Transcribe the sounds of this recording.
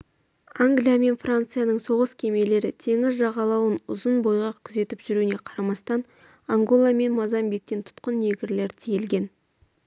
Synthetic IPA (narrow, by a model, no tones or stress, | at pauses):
aŋɡlijame̞nfrant̪sɨjanəɴso̞ʁəskʲʰe̞me̞le̞ɾɪt̪ʰe̞ŋɪzʒɑʁɑlˠɑwənʊzənbo̞jʁɑqkʲʰʏze̞t̪ɪpʒʏɾune̞qʰɑɾɑmɑst̪ɑn | aŋɡo̞lˠame̞nmɑzɑmbik̚t̪e̞nt̪ʰʊ̥t̪qənːe̞ɡʲɪɾle̞ɾt̪ʰijelɡʲe̞n